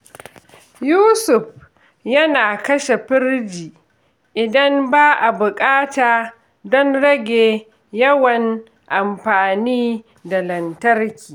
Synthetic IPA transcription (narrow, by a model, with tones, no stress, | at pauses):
juː˦sʊ˨ɸ | jɐ˦naː˨kɐ˦ʃe˨ɸɪ˦ɾd͡ʒiː˨ | ʔɪ˨dɐ˦mbaː˦ʔa˨bʊ˨kʼaː˦taː˨ | dɔ˦nɽɐ˦ɡʲeː˨ | jɐ˦wɐ˨n | ʔa˨mɸaː˨niː˦ | da˨lɐ˨ntɐ˦rkʲiː˨